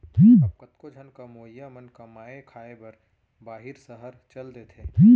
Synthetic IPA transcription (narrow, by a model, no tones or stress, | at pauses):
tʰiːkkɐt̪kod͡ʒʱɐnkamoːjːamənkɐmaːekʰaːebɐɾ | baːɦɪɾsɐɦəɾt͡ʃɐld̪et̪ʰeːt̪ʰiː